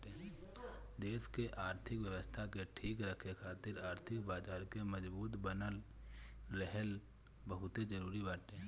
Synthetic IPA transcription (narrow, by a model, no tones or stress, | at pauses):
eː | d̪eːskeʔaːɾt̪ʰɪkwjəʋəst̪ʰakeʈʰiːkɾəkʰekʰaːt̪ɪɾaːɾt̪ʰɪkbaːd͡ʒaːɾkeməd͡ʒbuːt̪bənəl | ɾɛɦəl | bəɦʊt̪ed͡ʒəɾuːɾibaːʈeː